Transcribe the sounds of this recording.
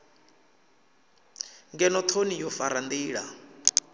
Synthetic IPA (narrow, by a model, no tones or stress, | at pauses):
ŋɡɛnɔt̪ʰonijɔfaɾand̪iːɺa